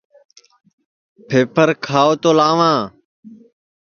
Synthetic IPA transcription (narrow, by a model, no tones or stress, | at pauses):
pʰeːpʰəɾkʰaːoːt̪oːlaːʋãː